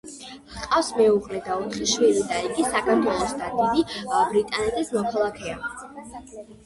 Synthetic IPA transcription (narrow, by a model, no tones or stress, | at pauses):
qʼafsmɛuʁlɛd̪aɔt̪ʰχiʃwilid̪aiɡisakʰaɾt̪ʰwɛlˠɔsd̪ad̪id̪ibɾit̪ʼanɛt̪ʼismɔkʰalˠakʰɛa